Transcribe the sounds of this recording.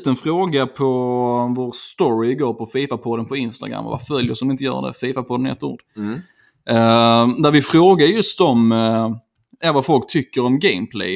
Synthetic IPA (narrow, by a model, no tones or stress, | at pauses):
t̪ənfɾoːɡapʰɔvoːɾst̪ɔɾɪɡoːɾpʰɔfiːfapʰɔd̪ːənpʰɔɪnst̪a̰ɡɾa̰mːva̰va̰fœljəsɔmɪnt̪əjœ̰ːɖɛ̰fiːfapʰɔd̪ːənɛ̰t̪ːṵːɖ | d̪æɾvɪfɾoːɡaɾjɵst̪ɔm | avafɔlk̚t̪ʰʏkːəɾɔmɡɛɪmpʰlḛ